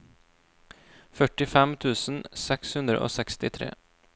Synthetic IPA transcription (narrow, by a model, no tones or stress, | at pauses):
fœʈːɪfɛmt̪ʰʉːsənsɛkshʉnd̪ɾə̰ʔo̰ːsɛkst̪ɪt̪ʰɾḛː